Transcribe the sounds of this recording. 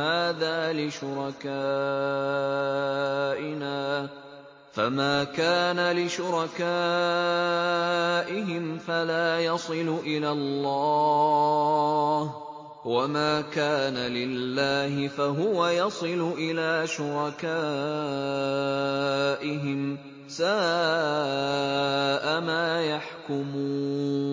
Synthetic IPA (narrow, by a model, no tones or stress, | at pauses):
aːðaːlɪʃʊɾɑkaː | ʔɪnaː | famaːkaːnalɪʃʊɾɑkaː | ʔɪɦɪmfalaːjɑsˤɨlʊʔɪlalːɑː | h | wamaːkaːnalɪlːaːhɪfaɦʊwajɑsˤɨlʊʔɪlaːʃʊɾˤɑkaː | ʔɪɦɪm | saː | ʔamaːjaħkʊmuːnn